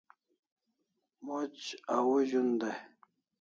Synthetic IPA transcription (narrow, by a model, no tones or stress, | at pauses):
mot͡ɕawuʑund̪aj